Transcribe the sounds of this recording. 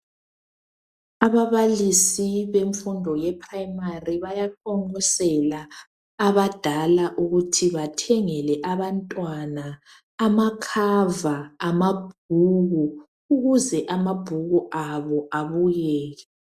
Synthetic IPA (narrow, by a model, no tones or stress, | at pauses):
aβaβalisiβeɱfundʱɔjɛpʰʼrajmariβajakʰɔŋɔsɛlaː | βad̥ʱalaʔuɣutʰiβatʰɛŋɛlɛʔaβantʼwanaː | makʰavaːmab̥̚ʱuɣu | uɣuzɛʔamab̥ʱuɣuʔaβɔʔaβujɛːɣɛ